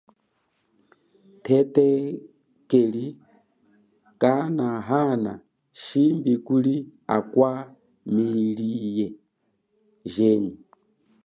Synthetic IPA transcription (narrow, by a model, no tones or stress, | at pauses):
tʰɛtɛ | kɛli | kanaɦana̰ | ʃimbikulia̰kwa | milijɛ | ʒɛɲi